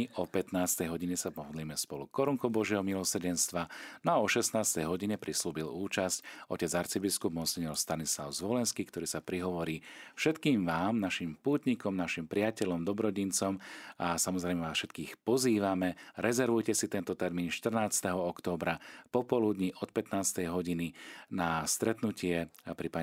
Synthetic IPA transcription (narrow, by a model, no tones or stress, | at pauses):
ɔpɛt̪naːst̪ɛjɦɔɟiɲɛsapɔɦɔd̪liːmɛspɔlukɔɾuŋkɔbɔʒɪɛɦɔmilɔsr̩ɟɛnst̪ʋanɔaɔʃɛst̪naːst̪ɛjɦɔɟiɲɛpɾisluːbiluːt͡ʃascɔ̰cɛd͡zaɾt͡sibiskub̚mɔsiɲɔɾst̪anislaʊzʋɔlɛnskiːkt̪ɔɾiːsapɾiɦɔʋɔɾiːfʃɛt̪kiːmʋaːmnaʃimpuːt̪ɲikɔmnaʃimpɾɪacɛʎɔmd̪ɔbɾɔɟint͡sɔmasamɔzɾɛjmɛʋaːsʃɛt̪kiːxpɔziːʋamɛɾɛzɛɾʋujcɛsit̪ɛnt̪ɔt̪ɛɾmiːnʃt̪r̩naːt͡st̪ɛɦɔɔkt̪ɔːbɾapɔpɔlud̪ɲiʔɔt̪̚pɛt̪naːst̪ɛjɦɔɟininast̪ɾɛt̪nucɪɛpɾipa